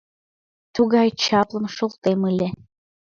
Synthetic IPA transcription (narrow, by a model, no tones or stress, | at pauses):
t̪uɣɑjt͡ɕɑplˠɤ̆mʃolˠt̪emɯlʲe